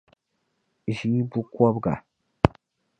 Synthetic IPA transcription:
ʒi˦bu˦kɔ˦bɡa̰˨

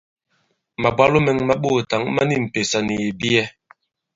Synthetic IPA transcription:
ma˨bwa˦lo˦mɛ˨ŋma˦ɓo˦˨ta˨˦ŋma˦ni˦m̩˨pe˨sa˨ni˨e˨bi˦ɛ˦

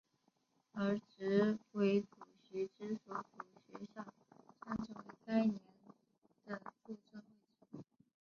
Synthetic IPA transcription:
ə˞˧˥ʈ͡ʂɻ̩˧˥we˧˥ɪt͡su˨˩ɕɥɛ˧˥ʈ͡ʂɻ̩˥swɔ˧˥ku˨˩ɕɥɛ˧˥ɕjɑ˥˩ŋ | ʈ͡ʂʰa˥nʈ͡ʂʰɤ˧˥we˧˥ɪka˥ɪnjɛ˧˥n | d̪̥ə˧fu˥˧ʈ͡ʂə˥˧ŋwe˥˩ɪʈ͡ʂi˥

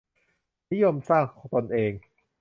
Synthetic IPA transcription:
ni˦˥jo˧msaː˥˩ŋkʰɔː˩˦ŋt̪o˧nʔeː˧ŋ

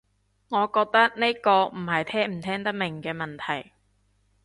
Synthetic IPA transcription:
ŋɔː˨˧kɔː˧k̚t̪ɐ˥k̚ne˥jkɔː˧m̩˨˩hɐ˨jt̪ʰɛː˥m̩˨˩t̪ʰɛː˥ŋt̪ɐ˥k̚mɪ˨˩ŋkɛː˧mɐ˨nt̪ʰɐ˨˩j

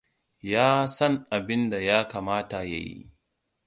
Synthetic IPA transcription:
jaː˦sɐ˦ŋʔa˨bɪ˦nda˨jaː˦kaː˨maː˦ta˨ja̰˨jḭ˦

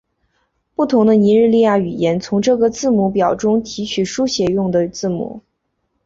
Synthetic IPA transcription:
pu˥˩t̪ʰʊ˧˥ŋd̪ə˧ni˧˥ɻɻ̩˥˧li˥˧ja˥˩y˨˩jɛ˧˥nt͡sʰʊ˧˥ŋʈ͡ʂɤ˥˩ɡə˩t͡sɹ̩˥˩mu˧˥pjɑ˨˩ʊʈ͡ʂʊ˥ŋt̪ʰi˧˥t͡ɕʰy˨˩ʂu˥ɕjɛ˧˥jʊ˥˩ŋd̪ə˩t͡sɹ̩˥˩mṵ˧˩˦

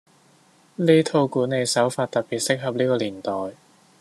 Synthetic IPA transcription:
liː˥t̪ʰo˧wkuː˨˥ne˨˧jsɐ˨˥wfaː˧t̚t̪ɐ˨t̚piː˨t̚sɪ˥k̚ɦɐ˨p̚liː˥kɔː˧liː˨˩nt̪ɔː˨˩j

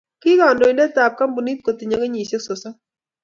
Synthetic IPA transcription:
kɪ˦ka˨ndo˨i˨ndɛ˦ta˨p̚ka˦mbu˨ni˦t̚ko˨ti˨ɲa˨˦ke˦ɲi˨se˦so˨sa˦

